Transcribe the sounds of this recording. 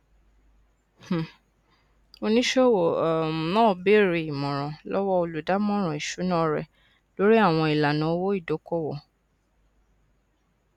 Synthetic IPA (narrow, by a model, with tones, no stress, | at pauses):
h̩˨ | o˧nĩ˦ʃe˦˨wõ˨nãː˦˨be˦˨ɾe˧˨i˨mɔ̃˨ɾ̃ɔ̃˨lɔ˦wɔ˦o˧lu˨da˨˦mɔ̃˦ɾ̃ɔ̃˨i˨ʃu˨˦nã˦ɾɛ̰˨ | lo˦ɾi˦a˦˨w̃ɔ̃˧i˨la˨nã˨˦wo˦i˦˨do˨˦kɔ˦˨wɔ˦˨